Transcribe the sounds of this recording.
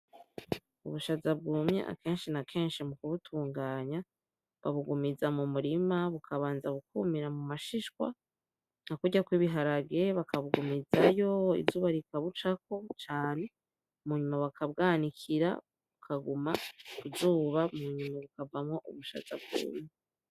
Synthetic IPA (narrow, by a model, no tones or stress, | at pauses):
uβuʃazabɡuːmɲḛʔa̰ke̞ːnʃinakʰe̞ːnʃimukuβutʰuːŋɡaːɲa | βaβuɡumizamumuɾimaβukʰaβaːnzaβukumiɾamumaʃiʃkwa̰ | nakuɟakwiβiɦaɾaɡeβakʰaβuɡumizajo̞ḭzuːβaɾikaβut͡ʃak̚o̞t͡ʃaːne̞ | muɲumaβakabɡaːnikʰiɾa̰ | βukʰaɡumakuzuːβamuɲumaβukavamŋo̞ʔuβuʃa̰za̰b̚ɡṵːmɲe